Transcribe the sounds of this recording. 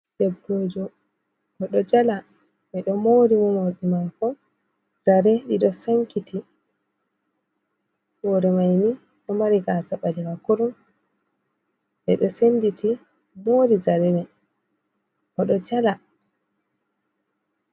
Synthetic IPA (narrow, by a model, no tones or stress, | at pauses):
ɗɛbːod͡ʒɔ | kɔɗɔd͡ʒala | ɓɛɗɔmoɾimɔmoɾɗimajkɔ | zaɾɛɗiɗɔsaŋkiti | ɓɔːɾɛmajni | ɗɔmaɾiɡaːsaɓaliɡakuɾum | ʔɛɗɔsenːditi | moːɾizaɾɛnɛ | ʔɔɗɔd͡ʒala